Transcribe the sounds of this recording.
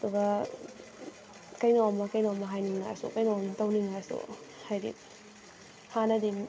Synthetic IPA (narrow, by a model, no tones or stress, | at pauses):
ɐduɡɐ | kɐjnoamɐkɐjnowamɐɦajniŋna̰sṵkɐjnoamtawniŋasṵhajdḭ | hanɐdi